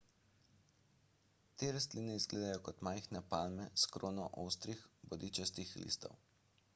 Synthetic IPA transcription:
t̪eːɾas̬t̪liːnɛizɡleːd̪ajɔkɔt̪maːjxnɛpalmɛskɾoːnɔʔowst̪ɾixbɔd̪iːt͡ʃɛst̪ixlḭːst̪ɔ̰w

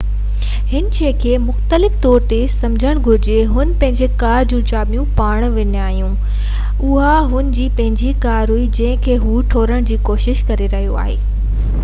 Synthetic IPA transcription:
hɪnt͡ɕʰeːkʰeːmʊxt̪əlɪft̪ɔːɾt̪esɐ̃md͡ʑʱəɽ̃ɡʱʊɾɪd͡ʑeɦʊn̆pɐ̃ɦɪ̃ɲd͡ʑekaːɾd͡ʑũːt͡ɕaːbijũpaːɽ̃ʋɐɲaːɦijũ | ʊɦaɦʊnɪ̆d͡ʑiːpɐ̃ɦɪ̃ɲd͡ʑikaːɾɦuid͡ʑɐ̃ɦɪ̃kʰeːɦuːʈʰoːɾəɽ̃d͡ʑiːkoːʃɪʃkɐɾeɾɐɦijoa̰ːɦeː

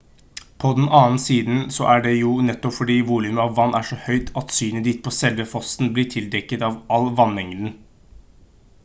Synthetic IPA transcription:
pʰɔd̪ɛnɑːn̩siːd̪n̩sɔ̰ʔæɖɛjʊnɛt̪ːɔpfɔɖiːʋuːlʉməɑʋːɑnːʔæʂɔhœʏt̪ʰɑt̪syːnəd̪iːt̪̚pʰɔsɛlʋəfɔsn̩blɪʈʰɪld̪ɛkːət̪ɑʋɑlːʋɑnmɛŋd̪n̩

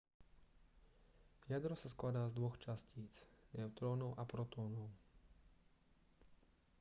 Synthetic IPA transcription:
jad̪ɾɔsasklad̪aːzd̪ʋɔxt͡ʃasciːt͡snɛʊt̪ɾɔːnɔʊʔapɾɔt̪ɔːnɔʊ

